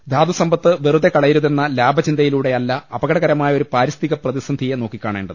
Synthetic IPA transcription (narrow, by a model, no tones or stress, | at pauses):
d̪ʱaːd̪usɐmbʱɐt̪ːɨʋerud̪ekɐɭɐjɾuðe̞nːɐlaːbʱɐt͡ɕind̪ɐjiluːɽe̞ɐlːɐɐbɐɡɐɽɐɣɐɾɐmaːjɐo̞ɾupaːɾɐst̪iɣɐprɐðisɐnd̪ʱijeno̞ːkːikʲːaːɳḛːɳɖɐðɨɨ